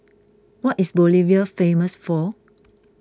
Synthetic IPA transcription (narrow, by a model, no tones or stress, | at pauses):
wɔtisboliviəfẽməsfɔ